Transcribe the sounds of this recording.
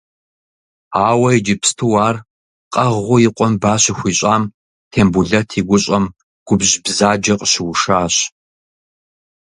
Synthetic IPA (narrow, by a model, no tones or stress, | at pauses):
aːwɐid͡ʒɪpstʰɨwaːr | qʼɐʁʁʷʊjɪqʷʼɔmbaːɕɪxʷiːɕʼaːm | tʰeːmbuɮɐtʰiːɡʷʊɕʼɐm | ɡ̥ʷʊbʑbzaːd͡ʒɐqʼɕɪwʊʂaːɕ